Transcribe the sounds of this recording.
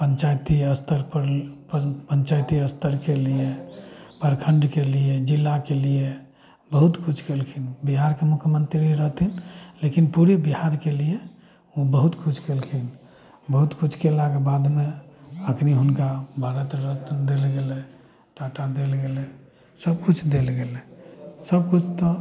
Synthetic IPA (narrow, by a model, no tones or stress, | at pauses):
pəɲt͡ʃajt̪iəst̪əɾpəɾ | pəɲt͡ʃajt̪iəst̪əɾkelijepəɾkʰəɳɖkelied͡ʒilːakelie | bəɦut̪kut͡ʃʰkelkʰinbiɦaɾkemukʰjəmənt̪ɾiiɾəɦt̪inlekinpuɾebiɦhaɾkelije | ũbəɦut̪kut͡ʃʰkelkʰin | bəɦut̪kut͡ʃʰkelaɡebad̪meəkʰniɦunkabʱaɾət̪ɾət̪nd̪elɡelɛ | ʈaʈad̪elɡelɛ | səb̚kut͡ʃʰd̪elɡelɛsəb̚kut͡ʃʰt̪ɔ